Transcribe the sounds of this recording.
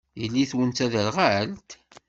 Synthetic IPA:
jəlːiθwənt̪æðəɾʁalt̪

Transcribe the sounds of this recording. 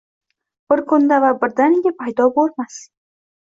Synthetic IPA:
b̥ɪɾkʰʊnd̪avabɪɾd̪anɪɡʲɪpʰajd̪ɒboɾmas

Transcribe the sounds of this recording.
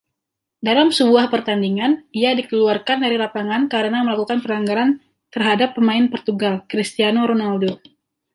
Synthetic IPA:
dalamsəbuahpərt̪andiŋaniadikəluarkandaɾilapaŋankaɾənaməlakukanpəlaŋɡaɾan | t̪ərɦadapːəmaɪnpərt̪uɡalkɾist̪ianoɾonaldo

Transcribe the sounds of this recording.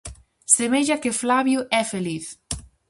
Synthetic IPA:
semeʎakeflaβjuʔɛfeliθ

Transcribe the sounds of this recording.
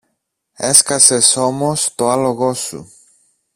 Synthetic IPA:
e̞skɐse̞so̞mo̞st̪o̞ɐlo̞ɣo̞sṵ

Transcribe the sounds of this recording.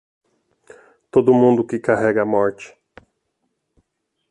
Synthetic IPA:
t̪od̪ʊmũnd̪ʊkɪkaɦɛɡɐːmɔɾt͡ʃɪ̥

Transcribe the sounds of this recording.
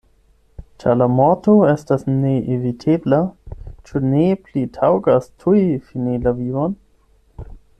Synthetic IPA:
t͡ʃalamotoestasneʔevitʰeblat͡ʃuneplitʰawɡastʰuifinilavion

